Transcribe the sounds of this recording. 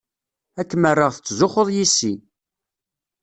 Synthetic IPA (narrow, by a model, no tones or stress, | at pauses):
ækːmərːəʁθət͡sːzoχəðˤjisːi